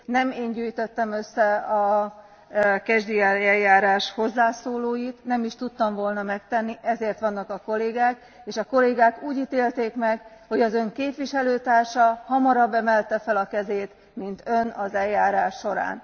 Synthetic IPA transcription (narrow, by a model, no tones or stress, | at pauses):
nɛmeːɲɟyːjt̪øt̪ːɛmø̞sːɛɒ | kɛʒd̪iɛlɛljːaːɾaːʃho̞zːaːsoːloːjit̪nɛmiʃt̪ut̪ːɒɱvo̞lnɒmɛk̚t̪ɛnːiʔɛzeːrt̪ʋɒnːɒkɒko̞leːɡaːk | eːʃɒko̞leːɡaːkuːɟit̪eːlt̪eːkmɛɡho̞ɟɒzø̞ŋkeːpʋiʃɛløːt̪aːrʃɒhɒmɒɾɒbːɛmɛlt̪ɛfɛlɒkɛzeːt̪ | mint̪ø̞nɒzɛlːaːɾaːʃːo̞ɾa̰ːn